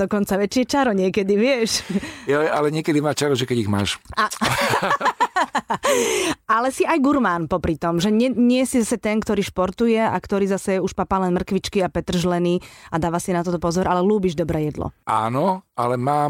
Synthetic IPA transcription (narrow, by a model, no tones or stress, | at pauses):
d̪ɔkɔnt͡saʋɛt͡ʃɪɛt͡ʃaɾɔɲɪɛkɛd̪iʋɪɛʃjaalɛɲɪɛkɛd̪imaːt͡ʃaɾɔʒɛkɛɟiɣma̰ːʃa | alɛsiajɡuɾmaːnpɔpɾit̪ɔmʒɛɲɛɲɪɛsizasɛt̪ɛnkt̪ɔɾiːʃpɔɾt̪ujɛa̰kt̪ɔɾiːzasɛɛuʃpapaːlɛnmr̩kʋit͡ʃkiapɛt̪r̩ʒlɛniːad̪aːʋasinat̪ɔt̪ɔpɔzɔɾʔalɛluːbiʒd̪ɔbɾɛːjɛd̪lɔ̰ʔa̰ːnɔalɛmaː